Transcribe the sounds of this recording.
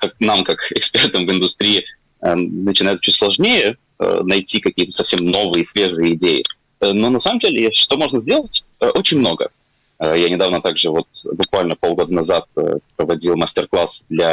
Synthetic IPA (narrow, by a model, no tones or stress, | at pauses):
kak̚namkakɪkspʲe̞rt̪əmvɪnd̪ʊst̪ɾʲijɪ | ənət͡ɕɪnajt̪̚t͡ɕutʲslˠɐʐnʲejə | ə̰nɐjtʲʰikɐkʲiət̪əsɐfsʲemno̞vɨjəsʲvʲe̞ʐɨjəɪdʲejɪ̰ | əno̞nɐsaməmdʲelʲɪjeʂt̪o̞mo̞ʐnəzʲdʲe̞lˠətʲ | əʔo̞t͡ɕɪnʲmno̞ɡə̰ | əjanʲɪd̪avnət̪aɡʐɨvo̞t̪̚bʊkvalʲnəpo̞lˠɡo̞d̪ənɐzat̪̚ə̰pɾəvɐdʲilˠmɐsʲtʲɪrklˠasd̪lʲa